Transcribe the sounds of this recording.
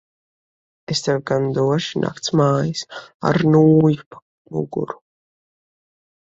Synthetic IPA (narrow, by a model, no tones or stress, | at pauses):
est̪avɡand̪uɔʃinʔa̰kt̪smaːjisa̰ɾnuːjupa | mṵɡṵɾu̥